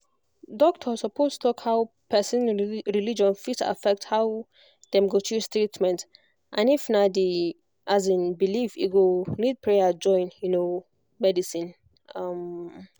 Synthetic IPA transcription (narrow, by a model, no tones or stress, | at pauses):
dɔk̚tʰɔsɔpʰostʰu̥tʰɔkhaʊw | pʰɛsĩnɹilid͡ʒɔ̃nfita̰fɛk̚thaw | d̥ɛ̃mɡotʰustɹitmɛ̃nt | ʔãnifnadi | ʔazĩnbilifḭɡonid̚pʰɹead͡ʒɔ̃ɪ̃njuno | mɛdisĩn | am